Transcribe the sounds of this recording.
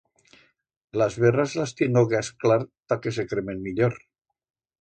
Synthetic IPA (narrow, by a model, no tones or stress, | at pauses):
lazβerazlast̪jenoɣeasklaɾt̪akes̬ekɾemenmiʎoɾ